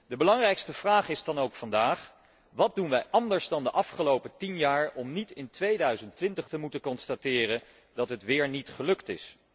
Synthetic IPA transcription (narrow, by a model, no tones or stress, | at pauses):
dəbəlɑŋrɛjkstəv̥raːχɪzdɑnowkfɑndaːχ | ʋɑt̚dunʋɛjʔɑndəɹzdɑndəʔɑfχəlowpətinjaːɹɔmnitɪntʋejdœɥzəntʋɪntəχtəmutəkɔnstatɪːrən | dɑtɦətʋɪːɹnitχəlɵktɪ̰s